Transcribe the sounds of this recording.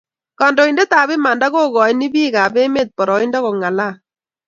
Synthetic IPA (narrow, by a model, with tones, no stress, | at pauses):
kɔ˨ndɔ˨i˨nde˦t̪a˨βɪ˦ma˨nda˦ɣo˦ɣɔ˨i˦ni˦biː˦ɣaː˨be˦me˦˨t̪̚pɔ˨ɾɔ˨i˦ndɔ˦kɔ˨ŋa˨la˦˨